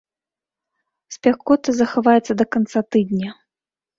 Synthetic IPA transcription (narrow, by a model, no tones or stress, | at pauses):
sʲpʲaxkɔt̪ɨzɐxavajɛt̪sːɐd̪ɐkant̪sat̪ɨd̪nʲɐ